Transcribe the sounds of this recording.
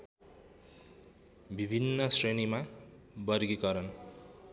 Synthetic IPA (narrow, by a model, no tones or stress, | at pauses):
bibʱinːʌsrenimabʌrɡikʌɾʌn